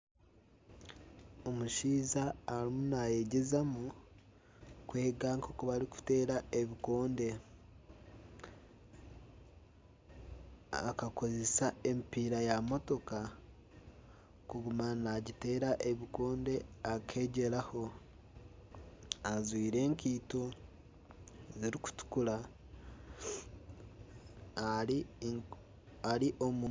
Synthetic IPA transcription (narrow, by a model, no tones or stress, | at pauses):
omuʃiːzaːɾimunaje̞ɟezamu | kwe̞ːɡaŋkʰokuβaɾiku̥te̞ːɾaeβiko̞ːnde̞ | a̰kako̞ze̞sae̞mpiɾajamo̞to̞ka | kuɡumanaɟite̞ːɾaʔeβikoːnde̞akʰe̞ːɟe̞ɾaho̞ | azwiːɾe̞ːŋkiːto | ziɾiku̥tu̥kuɾa | i | aɾiʔomu